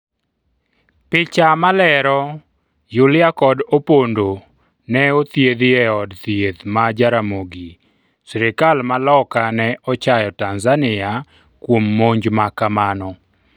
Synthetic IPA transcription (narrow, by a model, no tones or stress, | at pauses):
pɪt͡ʃamalɛɾɔ | jʊlɪakɔdopondo | nɛot̪jed̪ɪɛɔdt̪jed̪mad͡ʒaɾamoɡi | sɾɪkalmalɔkanɛɔt͡ʃajɔtanzanɪa | kwomːoɲd͡ʒmakamanɔ